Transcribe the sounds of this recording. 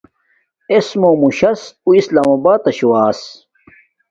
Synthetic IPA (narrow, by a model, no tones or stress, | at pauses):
esmoːmuɕɐsuislaːmɐbaːt̪ɐɕwaːs